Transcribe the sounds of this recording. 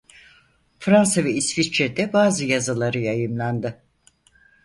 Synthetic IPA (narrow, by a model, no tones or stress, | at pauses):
fɾansavɛisvit͡ʃʰɛd̪ɛbaːzɯjazɯlˠaɾɯjajɯmlˠand̪ɪ